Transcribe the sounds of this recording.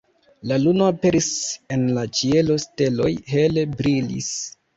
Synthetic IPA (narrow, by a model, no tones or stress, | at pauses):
lalunoape̞ɾise̞nlat͡ʃie̞lo̞ste̞lo̞jɦelebɾilḭs